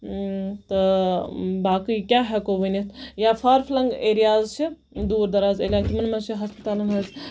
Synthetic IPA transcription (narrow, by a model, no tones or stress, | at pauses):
t̪ɨ | baːkɨkʲaːɦɛkoʋənʲet̪ʰjaːfʰaːɾfʰlɐŋɡeːɾijaːzt͡ʃʰi | d̪uːɾd̪ɐɾaːzeːlʲjaːŋt̪imɐnmɐnʃʰiɦɐspət̪aːlɐnɦɐz